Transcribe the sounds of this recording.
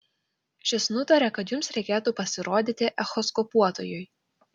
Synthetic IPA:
ʃʲɪsnʊt̪ɐɾʲɛkɐt̪jʊmsɾʲɛɪkʲeːt̪uːpɐsʲɪɾoːd̪ʲit̪ʲɪʔɛxɔskɔpuɔt̪ojʊj

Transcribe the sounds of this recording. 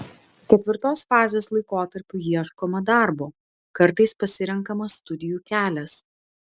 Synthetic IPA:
kʲɛt̪ʲʋʲɪɾt̪oːsfɑːzʲeːslˠɐɪkoːt̪ɐɾʲpʲʊjiɛʃkoːmɐd̪ɑˑɾboː | kɐɾt̪ɐɪspɐsʲɪɾʲɛŋkɐmɐst̪ʊd̪ʲɪjuːkʲæːlʲɛs

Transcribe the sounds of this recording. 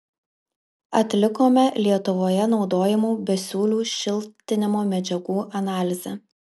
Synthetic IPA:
ɐt̪ʲlʲɪkoːmʲɛlʲiɛt̪ʊʋoːjɛnɒʊd̪oːjɛmuːbʲɛsʲuːlʲuːʃʲɪlʲˠt̪ʲɪnʲɪmoːmʲɛd͡ʒʲɛɡuːʔɐnɑːlʲɪzʲɛ

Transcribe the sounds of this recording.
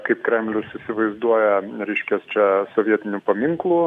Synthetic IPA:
kɐɪpkɾʲɛmʲlʲʊsisʲɪʋɐɪzd̪uɔjɛɾʲɛɪʃʲkʲɛst͡ʃʲɛsɔʋʲiɛt̪ʲɪnʲʊpɐmʲiŋklˠu

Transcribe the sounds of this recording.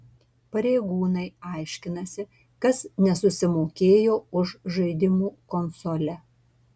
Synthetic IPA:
pɐɾʲeɪɡuːnɐɪɐɪʃʲkʲɪnɐsʲɪ | kɐsnʲɛsʊsʲɪmoːkʲeːjoːʊʃʒɐɪd̪ʲɪmuːkɔnsolʲɛ

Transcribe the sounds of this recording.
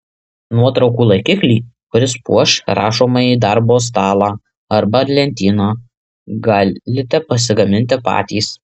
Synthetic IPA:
nuɔt̪ɾɒʊkuːlˠɐɪkʲɪklʲiːkʊɾʲɪspṵɔʃɾɑ̰ːʃoːmɐiːd̪ɐɾboːs̬t̪ɑːlˠɑː | ɐɾbɐɐɾʲlʲɛnʲt̪ʲiːnoː | ɡɑːlʲɪt̪ʲɛpɐsʲɪɡɐmʲɪnʲt̪ʲɪpɑ̰ːt̪ʲiːs

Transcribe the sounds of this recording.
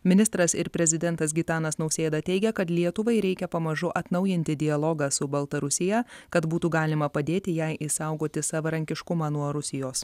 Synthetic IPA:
mʲɪnʲɪst̪ɾɐsɪɾpʲɾʲɛzʲɪd̪ʲɛnt̪ɐs̬ɡʲɪt̪ɑːnɐsnɐʊsʲeːd̪ɑt̪ʲɛɪɡʲɛkɐt̪lʲiɛt̪ʊʋɐɪɾʲɛɪkʲɛpɐmɐʒʊʔɐt̪nɐʊjɪnʲt̪ʲɪd̪ʲɪɐlˠɔːɡɑsʊbɐlˠt̪ɐɾʊsʲɪjɛkɐt̪buːt̪uːɡɑːlʲɪmɐpɐd̪ʲeːt̪ʲɪjɛɪʔɪsɑˑʊɡoːt̪ʲɪsɑʋɐɾɐŋʲkʲɪʃkʊmɑːnuɔɾʊsʲɪjoːs

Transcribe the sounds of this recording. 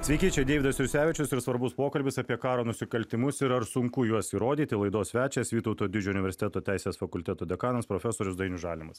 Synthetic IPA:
sʲʋʲɛɪkʲiːt͡ʃʲeːd̪ʲeːʋʲɪd̪ɐsʲɪɾʲsʲæːʋʲɪt͡ʃʲʊsɪɾsʋɐɾbʊspoːkɐlʲbʲɪsɑpʲiɛkɑːɾoːnʊsʲɪkɐlʲt̪ʲɪmʊsɪɾɐɾsʊŋkʊjuɔsiːɾoːd̪ʲiːt̪ʲɪlˠɐɪd̪oːssʲʋʲæːt͡ʃʲɛːsʋʲiːt̪ɒʊt̪oːd̪ʲɪd͡ʒʲʊnʲɪʋʲɛɾʲsʲɪ̥t̪ʲɛt̪oːt̪ʲæɪsʲeːsfɐkʊlʲt̪ʲɛt̪oːd̪ʲɛkɑːnɐspɾoːfʲɛsoːɾʲʊsd̪ɐɪnʲuʒɑːlʲɪmɐs

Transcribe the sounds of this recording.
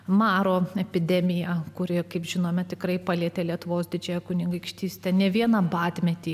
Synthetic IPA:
mɑːɾoːɛpʲɪd̪ʲɛmʲɪjɛkʊɾʲɪkɐɪpʒʲɪnoːmʲɛt̪ʲɪkrɐɪpɐlʲiɛt̪ʲeːlʲiɛt̪ʊʋoːsd̪ʲɪd͡ʒʲɛjɛkʊnʲɪŋɡɐɪkʃʲt̪ʲiːsʲt̪ʲɛnʲɛʋʲiɛnɐbɑːt̪ʲmʲɛt̪ʲiː

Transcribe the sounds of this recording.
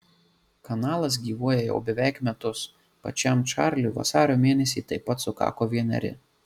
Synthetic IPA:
kɐnɑːlˠɐs̬ɡʲiːʋuɔjɛjɛ̰ʊbʲɛʋʲæˑɪkmʲɛt̪ʊs | pɐ̰t͡ʃʲɛmt͡ʃɑˑɾʲlʲʊʋɐ̰sɑːɾʲoːmʲeːnʲɛsʲiːt̪ɐɪpːɐt̪sʊkɑ̰ːkoːʋʲiɛnʲɛ̰ɾʲɪ̰

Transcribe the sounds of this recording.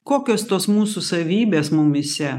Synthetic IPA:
koːkʲoːst̪oːsmuːsʊsɐʋʲiːbʲeːsmʊmɪsʲɛ

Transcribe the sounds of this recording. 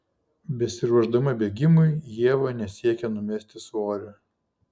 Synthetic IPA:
bʲɛsʲɪɾuɔʒd̪ɐmɐbʲeːɡʲɪmʊɪjiɛʋɐnʲɛsʲiɛkʲɛnʊmʲɛsʲt̪ʲɪsoːɾʲʊ

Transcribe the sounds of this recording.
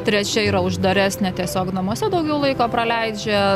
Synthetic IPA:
t̪ʲɾʲɛt͡ʃʲɛiːɾɐʊʒd̪ɐɾʲæːsʲnʲɛt̪ʲiɛsʲoːknɐmuɔsʲɛd̪ɐʊɡʲɛʊlˠɐɪkoːpɾɐlʲæɪd͡ʒʲɛ

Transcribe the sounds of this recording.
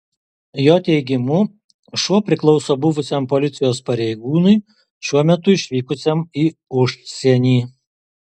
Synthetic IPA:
joːt̪ʲɛɪɡʲɪmʊ | ʃuɔpʲɾʲɪklˠɔʊsoːbʊʋʊsʲɛmpɔlʲɪt̪sʲɪjoːspɐɾʲɛɪɡuːnʊɪ | ʃʲuɔmʲɛt̪ʊɪʃʲʋʲiːkʊsʲemiːʊʃʲsʲɛnʲiː

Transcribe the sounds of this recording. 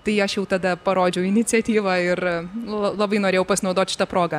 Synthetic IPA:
t̪ɐɪɐʃjɛʊt̪ɐd̪ɐpɐɾoːd͡ʒʲɛʊɪnʲɪt̪t͡sʲɛt̪ʲiːʋɐɪrlˠɐlˠɐbɐɪnoːɾʲeːjɛʊpɐsʲɪnɐʊd̪oːt̪ʲʃʲɪ̥t̪ɐpɾoːɡɐ

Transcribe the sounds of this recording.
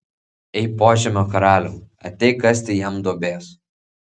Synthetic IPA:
ɛɪpoːʒʲɛmʲɐkɐɾaːlʲo | ɐ̰t̪ʲɛkɐsʲt̪ʲɪjɛmd̪obʲeːs

